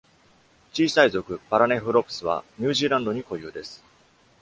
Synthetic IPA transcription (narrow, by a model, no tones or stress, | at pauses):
t͡ɕiːsaizo̞kɯ̟baɾane̞ɸɯ̟ɾo̞pɯ̥sɨβa̰ɲ̟ɯːʑiːɾãnd̪o̞ɲ̟iko̞jɯ̰ːd̪e̞sɨ̥